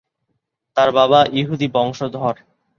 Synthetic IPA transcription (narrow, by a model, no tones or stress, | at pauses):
t̪aɾbaβaʔiɦud̪ibɔŋʃod̪ʱɔɾ